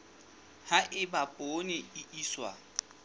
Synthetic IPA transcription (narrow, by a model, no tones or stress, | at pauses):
haʔɪbapʼonɪɪʔiːswa̰